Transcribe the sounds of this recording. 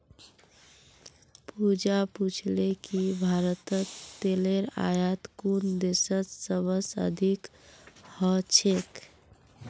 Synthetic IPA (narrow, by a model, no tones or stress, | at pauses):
pud͡ʒaput͡ʃʰlekibʱaɾət̪ət̪eleɾa̰jat̪kund̪esət̪səbəsə̰d̪ʱikhət͡ʃʰek